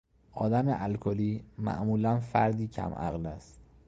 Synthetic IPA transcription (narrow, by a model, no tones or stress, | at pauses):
ʔɒːd̪æmeʔælkʰoliːmæ̰ʔmuːlænfæɾd̪iːcʰæ̰mʔæ̰ɣlæst̪